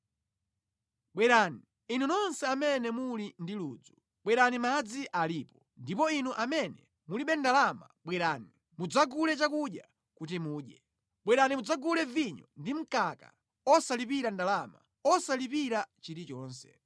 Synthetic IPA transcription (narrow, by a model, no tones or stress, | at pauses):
ɓwɛɾani | in̤unɔnsɛamɛnɛmulindiluːd͡zu | ɓwɛɾanimad͡ziʔaliːpɔ | ndipɔinuʔamɛnɛ̰ | muliɓɛndalamaɓwɛɾani | mud͡zaɡulɛt͡ʃakuɗja̰ | kutimuːɗɛ | ɓwɛɾanimud͡zaɡulɛviɲɔ̰ndim̩kaka̰ | ɔsalipiɾandalama̰ | ɔsalipiɾat͡ʃiɾit͡ʃɔːnsɛ̰